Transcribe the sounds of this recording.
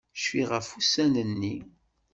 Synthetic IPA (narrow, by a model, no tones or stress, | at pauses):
ʃfiʁæfusænənːi